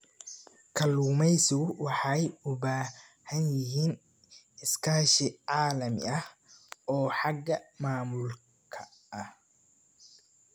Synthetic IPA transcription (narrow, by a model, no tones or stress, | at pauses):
kʰɐluːmɛjsʊwɑħɑjʊbaːhɐnjɪɦiːn | ɪskʰaːʃɪʕɑːlɐmɪ̰ɐhʔɔːħɑɡɐmaːmʊl | kʰɐ | ɐh